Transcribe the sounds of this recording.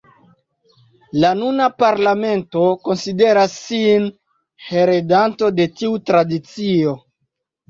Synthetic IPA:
lanunapaɾlame̞nto̞ko̞nside̞ɾasːin | he̞ɾedanto̞de̞tiutɾadit͡sio̞

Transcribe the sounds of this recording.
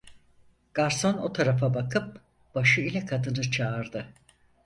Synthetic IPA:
ɡ̥aɾso̞no̞t̪ʰaɾafabakʰɯp̚ | b̥aʃɯilʲɛkʰad̪ɯnɯt͡ʃʰaːɾd̪ɯ

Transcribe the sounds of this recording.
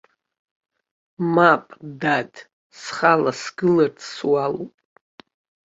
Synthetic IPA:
mapʼdadʰʼ | sχalasɡɨlart͡sʰswalo̰pʼ

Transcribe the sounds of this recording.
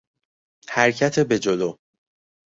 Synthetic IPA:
hæɾcʰæt̪ʰebe̞d͡ʒoloː

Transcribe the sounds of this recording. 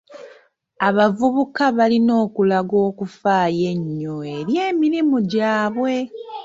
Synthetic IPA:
aβavuβukaβalino̞ːkulaɡo̞ːkufaːje̞ɲːoeɾje̞ːmiɾimuɟaːβwe̞

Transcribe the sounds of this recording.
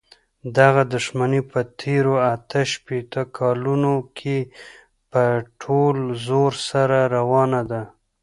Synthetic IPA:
d̪aɣad̪ʊʃmanepət̪ʰeɾoat̪əʃpet̪əkʰɑlunokʰe | pəʈʰolzoɾsaɾaɾawɑnad̪a

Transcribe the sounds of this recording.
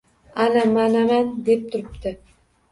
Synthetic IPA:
anamanamand̪ep̚t̪ʰʊɾɪpt̪ɪ

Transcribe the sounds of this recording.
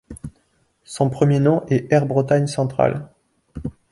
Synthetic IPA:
sɔ̃pχəmjenɔ̃ʔɛʔɛʁbʁət̪aɲsɑ̃t̪χa̰l

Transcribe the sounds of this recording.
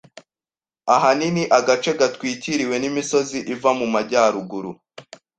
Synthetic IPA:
aɦaniniʔaɡat͡ʃe̞ɡatwiːciɾiwe̞nimiso̞ziʔivamumaɟaːɾuɡuɾu

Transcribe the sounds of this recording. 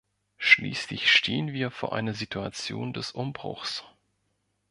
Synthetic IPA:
ʃlḭːslɪçʃtʰeːənviːɐfoːɐʔa̰ɪnɐzitʰua̰t͡sjoːndɛsʔʊmbʁʊ̰xs

